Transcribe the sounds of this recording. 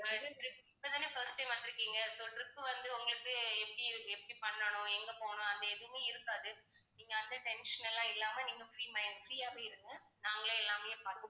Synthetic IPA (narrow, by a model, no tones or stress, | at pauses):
ɐɽɯɾɯkːɪpːɐðaːneːfɐɾsʈːɐɪmʋɐnʈɪɾɯkːiːŋɡɐsɔlɾɯkːɯʋɐnd̪ɯʊŋɡɐɭɯkːɯɛpːɐɽiɾɯkːɯɛpːɐɽipɐɳːɐɳʊ̃ɛŋɡɐpoːɳʊ̃ɐnd̪ɐɛðɯmeːɪɾɯkːaːðɯniːŋɡɐːnd̪ɐʈɛnʂɐnɛlːãːɪlːaːmɐniːŋɡɐfɾiːmɐjnfɾiːjaːʋeːɪɾɯŋɡɐ | naːŋɡɐɭeɛlːaːmɐjepɐɽɯkɯ